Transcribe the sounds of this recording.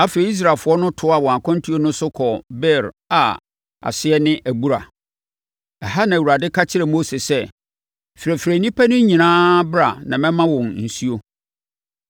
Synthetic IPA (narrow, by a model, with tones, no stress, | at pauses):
a˦fe˨e˨˦i˦s̬ɾa˨lfʊ˨˦ɔ˦nʊ̃˦tʰʊ˦a˦˨wɔ̃˨a˨kʰʊ̃˦n˦tʰu˦o˦nʊ̃˦sʊ˦kʰɔ˨bɛ˦˨ɾ | a˨ | a̰˨sɪ˦ɛ˦nɪ̃˦ʔæ˨bu˦ɾa˨ | ɛ˨ɦa˦nã˨wu˨ɾa˨dɪ˦kʰa˦t͡ɕʰɪ˦ɾɛ˨moː˦se˨sɛ˦ | fɪ˨ɾæ˨fɪ˨ɾæ˨nĩ˦pʰæ˦nʊ̃˦ɲĩ˨nãː˦bɾa˨nã˨mɛ̃˦mã˦wɔ̃˨nn̩˨su˦o˦